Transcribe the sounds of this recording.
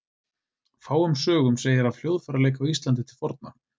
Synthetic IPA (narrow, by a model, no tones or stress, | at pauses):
faːwʏmsœːɣʏmseːjɪɾaðfljowðfɛɾaleːjkawist̪lant̪̬ɪt̪ʰɪlfɔɾt̪̚na̰